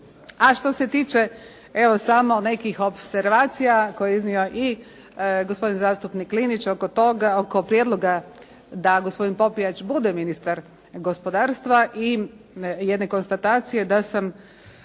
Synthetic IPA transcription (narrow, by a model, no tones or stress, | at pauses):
aʃt̪o̞se̞t̪iːt͡ʃe̞ | eʋo̞samo̞ne̞kixo̞pse̞ɾʋaːt̪sijako̞jeiznio̞ʔi | ɡospo̞d̪inzaːst̪upniklinit͡ʃokot̪oɡokopɾjed̪lo̞ɡa | d̪aɡo̞spo̞d̪inpo̞pijat͡ʃbud̪eminist̪aɾ | ɡo̞spo̞d̪aːɾst̪ʋaʔi | jed̪ne̞ko̞nst̪at̪aːt̪sije̞d̪asam